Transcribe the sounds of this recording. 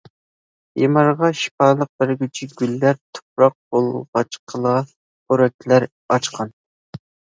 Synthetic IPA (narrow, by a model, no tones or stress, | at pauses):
jemɑɾʁɑʃi̥pɑːlˠəq̚bɪɾɡʲyt͡ʃʰiɡʲylːæɾt̪ʰo̥pɾɑq̚bolˠʁɑt͡ʃqʰəlˠɑ | oɾɛk̪ʲʰlæɾ | ɑt͡ʃqʰɑn